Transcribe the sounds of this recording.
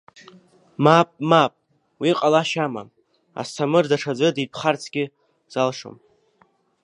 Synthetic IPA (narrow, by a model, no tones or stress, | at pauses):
mapʼmapʼ | wiqʼalaʃama̰m | a̰stʰamɨrdaʂʰad͡zɨdipʰχart͡sʰɡʲɪ | z̥alʂo̰m